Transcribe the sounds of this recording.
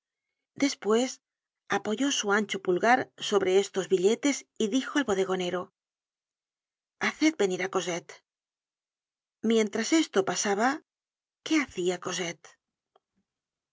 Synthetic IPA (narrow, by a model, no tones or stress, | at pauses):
d̪e̞spwe̞s | apo̞ʝo̞suanʲt͡ʃopulɣaɾso̞βɾe̞est̪o̞zβiʎe̞t̪e̞siðixoalβo̞ð̞e̞ɣ̞o̞ne̞ɾo̞ | aθet̪̚be̞niɾako̞set̪ | mje̞nt̪ɾase̞st̪o̞pasaβa | ke̞aθiako̞set̪